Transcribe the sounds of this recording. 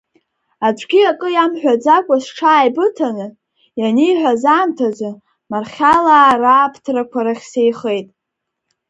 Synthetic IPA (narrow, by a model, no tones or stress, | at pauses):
at͡ʃʷʰʼɡʲiakʼɨjamħʷᶣad͡zakʷʼasʈ͡ʂʰaːjbɨtʰanɨ | janijħʷazaːmtʰazʷa | marχʲalaːraːpʰtʰrakʷʰaɾaχʲsejχe̞jtʼ